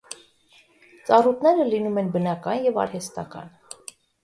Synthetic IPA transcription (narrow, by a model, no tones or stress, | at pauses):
t͡sɑrut̪̚ʰnɛɾəlinumɛnbənɑkɑnjɛvɑ̰ɾhɛst̪ɑ̰kɑ̰n